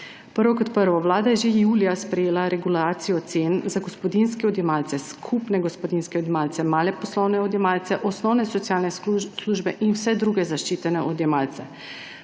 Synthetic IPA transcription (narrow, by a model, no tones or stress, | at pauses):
pəɾʋɔkɔt̪pəɾʋɔʋlaːd̪ajɛʒejuːlijaspɾɛjeːlaɾɛɡulaːt̪sijɔt̪seːnzaɡospɔd̪inskɛɔd̪jɛmaːlt̪sɛskʰupnɛɡospɔd̪inskɛod̪jɛmaːlt̪sɛmaːlɛpɔslɔwnɛɔd̪jɛmaːlt̪sɛʔɔsnɔwnɛsɔt̪sjaːlnɛsluʒbɛʔinwsɛd̪ɾuɡɛzaʃt͡ʃiːt̪ɛnɛʔod̪jɛmaːlt̪sɛ